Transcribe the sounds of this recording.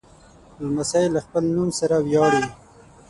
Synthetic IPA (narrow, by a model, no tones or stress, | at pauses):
lmasɑjlːaxpəlnumsaɾawjɑɽe